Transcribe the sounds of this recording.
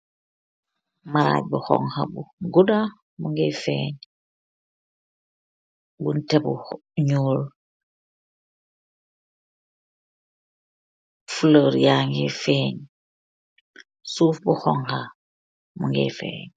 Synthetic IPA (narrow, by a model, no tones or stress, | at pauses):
maɾa̰ɟbuxo̰ŋha̰buɡuda | muŋɡefḛːɲ | buntebṵɲuːl | fuloɾjaŋɡefeːɲ | suːfbuxoŋha | muŋɡḛfḛːɲ